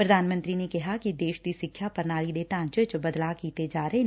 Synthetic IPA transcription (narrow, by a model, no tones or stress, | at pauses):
pɾɐd̪ʱaːnmə̃nt̪ɾinekɐɦakid̪eːʃd̪isɪkʰjapɐɾnaːɭid̪eːʈãːt͡ʃət͡ʃbɐd̪lakiːt̪ed͡ʒaːɾəɦe